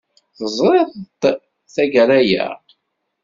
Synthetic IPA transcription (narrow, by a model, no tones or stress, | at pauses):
θəzˤɾˤeðˤt̪ | θæɡæɾæjæ̰